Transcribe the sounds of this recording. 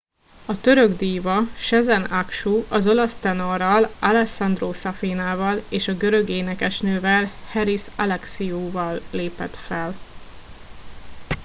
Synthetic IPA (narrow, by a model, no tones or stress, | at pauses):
ɒt̪øɾø̞ɡd̪iːvɒʃɛzɛnakʃuɒzo̞lɒst̪ɛnorɒlalɛsɒnd̪roːsɒfiːnaːvɒleːʃɒɡø̞ɾø̞ɡeːnɛkɛʃnøːvɛlhɛɾisɒlɛksiuːvɒlːeːpɛ̰t̪fɛl